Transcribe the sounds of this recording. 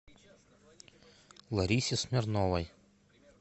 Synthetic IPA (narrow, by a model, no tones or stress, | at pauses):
lˠɐɾʲiːsʲɪsmʲɛɾnɔlˠɐj